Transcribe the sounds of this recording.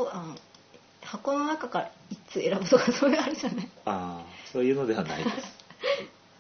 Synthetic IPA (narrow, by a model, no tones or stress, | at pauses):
oan | hako̞nonakakaɾait͡sɨe̞ɾabɯ̟t̪okasoːeːɾɯʑanaaso̞ːjɯ̟ːno̞d̪e̞βana̰id̪sɨ̥